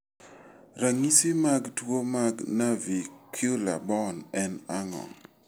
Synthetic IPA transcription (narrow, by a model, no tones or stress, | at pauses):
ɾaŋisimaɡtwomaɡnavikʰulabɔnɛnaŋɔ̰